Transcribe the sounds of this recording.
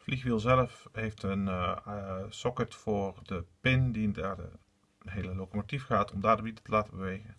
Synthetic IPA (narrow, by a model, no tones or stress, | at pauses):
flixʋilˠzɛləfheftən | sɔkətfʊːrdəpɪndidadə̰ | ɦeːləlokomotifxəatʰɔmdaːdəbitətəlaːtəbəʋeːɣən